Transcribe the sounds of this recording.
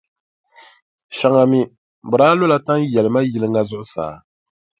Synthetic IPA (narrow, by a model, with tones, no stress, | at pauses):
ʃa˨ŋa˨mi˦ | bʊ˨ɾaː˦lo˦la˦ta˦ŋjɛ˨lɨ˨ma˦ji˨lɨ˦ŋɡa˦zʊ˦ʔʊ˦sa̰ː˨